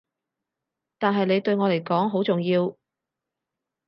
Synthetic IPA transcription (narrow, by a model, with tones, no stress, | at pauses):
t̪aː˨nɦɐ˨jne˨˧jt̪ɵ˧ɥŋɔː˨˧le˨˩jkɔː˨˥ŋɦo˨˥wt͡sʊ˨ŋjiː˧w